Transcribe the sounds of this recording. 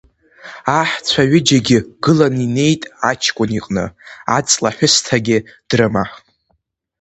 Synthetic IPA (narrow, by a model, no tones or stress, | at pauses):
aħt͡sʷʰaɥɪd͡ʒaɡʲɪɡɨlanine̞jtʼat͡ʃʰkʷʼʊniqʼnɨ̰a̰t͡sʼlaħʷʊstʰaɡʲɪd̥rɨmaħ